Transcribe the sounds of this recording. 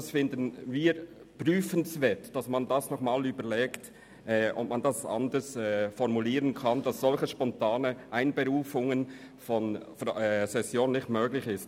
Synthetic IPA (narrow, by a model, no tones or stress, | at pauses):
sfɪndənviːɾ | pʁyːfənsvɛːtd̥asmandasnɔχmaːlyːbəlɛːkt | ʔɛːʔɔ̰pmandasʔɑ̰ndəsɛːfɔʁmuliːʁənkʰand̥ɑsz̥ɔlçəʃpɔntaːnəʔaɪnbəʁuːfʊŋən | fɔnfɛsɛsjoːnnɪçtmøːɡlɪçɪst